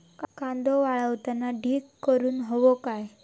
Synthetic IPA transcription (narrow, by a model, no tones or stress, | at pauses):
kãnd̪oʋaɭəʋt̪anaɖʱiːkkːəɾuːnɦoʋokaj